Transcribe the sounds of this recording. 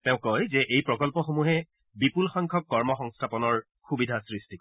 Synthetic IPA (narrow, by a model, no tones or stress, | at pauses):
tɛ̃ʊ̃kːɔjzɛʔejpɹɔkɔlpɔxomuɦɛ | bipulxɔŋkʰɔkːɔɹmɔxɔŋstʰapɔnɔɹ | xubidʱasɹistʰik